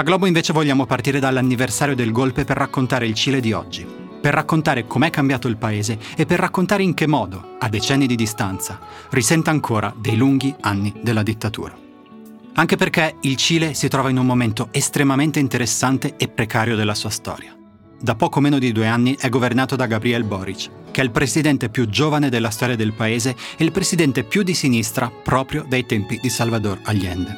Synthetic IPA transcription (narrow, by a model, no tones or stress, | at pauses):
aɡlɔːboiɱveːt͡ʃevoʎːaːmopart̪iːɾed̪alːanːiversaːɾjod̪elɡolpeperːakːont̪aːɾeilt͡ʃiːled̪iɔ̰d͡ʒːi | perːakːont̪aːɾekomeɛkːambjaːt̪oilpaeːzeːpːerːakːont̪aːɾeiŋk̟emːɔːd̪oad̪ːet͡ʃɛnːid̪id̪ist̪ant̪sa | risɛnt̪eaŋkʰoːɾad̪ejluŋɡianːid̪elːad̪it̪ːat̪ṵːɾa | aŋk̟eperk̟eilt͡ʃiːlesit̪ɾɔːvainummoment̪oest̪ɾemament̪eint̪eɾesːant̪eːpːɾekaːɾjod̪elːasuːast̪ɔ̰ːɾja | d̪apːɔːkomeːnod̪id̪ueanːiʔɛɡːovernaːt̪od̪aɡabɾiɛlbɔːɾit͡ʃ | k̟eɛilpɾesid̪ɛnt̪epjud͡ʒoːvaned̪elːast̪ɔːɾjad̪elpaeːzeeilpɾesid̪ɛnt̪epjud̪ːisinist̪ɾʔapɾɔːpɾjod̪ajt̪ɛmpid̪isalvad̪oralːjɛ̰nd̪e